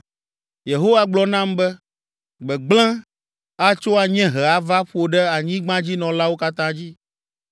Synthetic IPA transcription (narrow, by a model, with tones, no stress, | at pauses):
je˨ɦo˦wa˦ɡ͡blɔ˨nã˦mbɛ˦ | ɡ͡bɛ˨ɡ͡blɛ̃˦ | a˦t͡ʃo˦a˨ɲɛ̃˦ɦɛ˨a˨va˦ɸo˨ɖɛ˦a˨ɲĩ˦ɡ͡bã˦d͡ʑi˦nɔ̃˨la˦wo˦ka˦t̪ã˦d͡ʑi˦